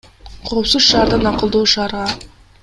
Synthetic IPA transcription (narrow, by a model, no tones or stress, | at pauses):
qʰopsuzʃɑːɾd̪ɑnɑqəlˠd̪uːʃɑːɾʁɑ